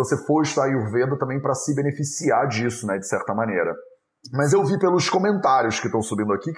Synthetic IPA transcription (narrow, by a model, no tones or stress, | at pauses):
vosefoiʃt̪aiʊvẽd̪ɐt̪ɐ̃mbẽj̃pɾɐsɪbenefisiaɾd͡ʒisʊnɛd͡ʒɪsɛɾt̪ɐmɐ̃neɾɐ̰ | mɐzewvipelʊskõmẽnt̪aɾjʊskɪt̪ɐ̃w̃subĩnd̪ʊakik